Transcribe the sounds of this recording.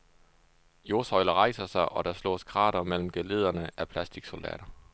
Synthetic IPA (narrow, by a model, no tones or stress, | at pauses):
jo̝ːsɒ̽ɪlɐʁɑ̈ɪsɐsɑ̈ɪʔɒ̽ɾ̥ɑ̈slɔ̰ːsɡ̥ʰʁɑ̰̈ːɾɐmel̰m̩ɡ̥ele̝ð̞ˠɐnəʔæpʰlæsd̥iɡ̥so̝ld̥ɛ̰ːɾ̥ɐ